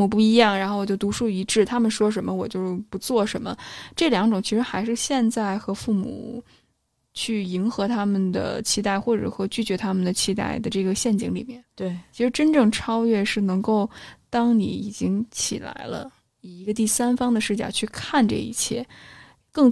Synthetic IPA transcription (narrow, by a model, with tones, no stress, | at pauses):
u˨˩p̬u˥˩i˧˥jɑ˥˩ŋɻa˧˥nxo˥˩ʊwɔ˨˩jo˥˩ʊt̪u˧˥ʂu˥˩i˧˥ʈ͡ʂɻ̩˥˩t̪ʰa˥mə˨nʂwɔ˥ʂ̬ə˧˥nmə˧wɔ˨˩t͡ɕjo˥˧ʊʂɻ̩˥˩pu˧˥t͡swɔ˥˩ʂə˧˥nmə̰˧ʈ͡ʂɤ˥˩ljɑ˧˥ŋʈ͡ʂʊ˨˩ŋt͡ɕʰi˧˥ʂɻ̩˧˥xa˧˥ɪʂɻ̩˥˧ɕjɛ˥˧nt͡sa˥˩ɪxɤ˧˥fu˥˩mṵ˨˩ | t͡ɕʰy˥˩i˧˥nxɤ˧˥t̪ʰa˥mə˨nd̪ə̰˩t͡ɕʰi˧˥t̪a˥˩ɪxwɔ˥˩ʈ͡ʂɤ̰˨˩ʂwɔ˥t͡ɕy˥˩t͡ɕɥɛ˧˥t̪ʰa˥mə˨nd̪ə˩t͡ɕʰi˧˥t̪a̰˥˩ɪd̪ə˩ʈ͡ʂɤ˥˩ɡə˩ɕjɛ˥˩nt͡ɕi˧˥ŋlḭ˨˩mjɛ˥˩nt̪t͡ɕʰi˧˥ʂɻ̩˧˥ʈ͡ʂə˥nʈ͡ʂɤ˥˩ŋʈ͡ʂʰɑ˥ʊɥɛ˥˧ʂɻ̩˥˩nɤ˧˥ŋko˥˩ʊt̪ɑ˥ŋnḭ˧˥i˨˩t͡ɕi˥ŋt͡ɕʰḭ˨˩la̰˧˥ɪlə̰˧ | i˨˩i˧˥ɡə˧t̪i˥˩sa˥nfɑ˥ŋd̪ə˨ʂɻ̩˥˩t͡ɕja̰˥˧˩t͡ɕʰy˥˧kʰa˥˧nʈ͡ʂɤ̰˥˧ḭ˥˧˩t͡ɕʰjɛ˥˩ | kɤ˥˩ŋ